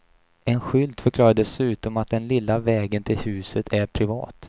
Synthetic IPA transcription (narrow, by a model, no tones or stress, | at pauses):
ɛnɧʏld̪fœɾklɑːɾad̪ɛsʉ̟ːt̪ɔmat̪̚d̪ɛnlɪlːavɛːɡənt̪ʰɪlhʉ̟ːsət̪ʰæɾpʰɾɪvɑ̰ːt̪